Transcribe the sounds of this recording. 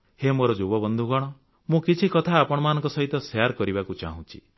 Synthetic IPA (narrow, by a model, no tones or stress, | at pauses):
hemoɾɔd͡ʒobɔbɔnd̪ʱuɡɔɽ̃ɔ | mũkit͡ʃʰikɔt̪ʰaːpɔɽ̃ɔmanɔ̃ŋkɔsɔɦit̪ɔsjaɾkɔɾibakut͡ʃa̰ɦũt͡ʃʰi̥̰